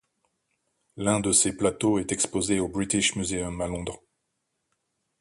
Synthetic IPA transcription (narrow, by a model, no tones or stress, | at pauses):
lɛ̃d̪əseplat̪oɛt̪ɛkspozeobʁit̪iʃmyzeɔmalɔ̃d̪ʁ